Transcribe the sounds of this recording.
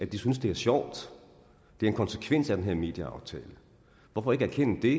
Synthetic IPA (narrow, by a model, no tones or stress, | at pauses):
æd̥isynsd̥e̝æɐɕjɒʊ̰d̥ | d̥e̝æɐenkʰɒnsəkʰʋen̰sæd̥enɦeɐ̰me̝̰ːd̥jəɑ̈ʊt͡sʰɛ̰ːlə | ʋɒfɒ̽e̝ɡ̥æɐkʰen̰əd̥e̝